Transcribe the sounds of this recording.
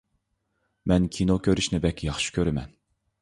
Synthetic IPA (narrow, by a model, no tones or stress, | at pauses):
mɛnkʲʰinokʲʰøɾyʃnɪbɛkʲʰːjɑχʃi̥kʲʰøɾɪmɛ̰n